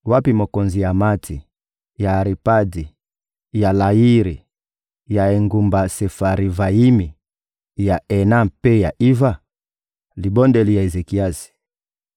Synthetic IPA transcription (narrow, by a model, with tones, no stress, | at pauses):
wa˦pi˨mo˨kɔ˨nzi˨ja˨ma˦tʰi˨ | jaː˨ɾi˨pa˦di˨ | ja˨la˨ji˦ɾi˨ | ja˨e˨ŋɡu˨mba˨se˨fa˨ɾi˨va˨i˦mi˨ | ja˨ʔɛ˨na˦pe˦ja˨ʔi˦va˦˨ | li˨bɔ˦ndɛ˨li˨ja˨e˨ze˨ki˨a˦si̥˨